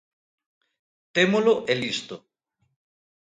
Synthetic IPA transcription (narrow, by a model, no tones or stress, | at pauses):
t̪emoloʔelist̪o